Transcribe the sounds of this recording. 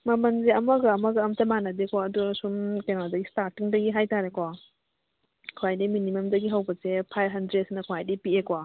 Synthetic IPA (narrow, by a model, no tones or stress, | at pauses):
mɐmɐnzeɐmɐɡɐɐmɐɡɐɐmtɐmanɐdekoɐdusumkenadɐɡistaɾtiŋdɐɡiɦajtaɾekɔ | kʰuajdiminimemdɐɡiɦawbɐsepʰajbɦɐndɾet̚snɐkʰuajdipiekwa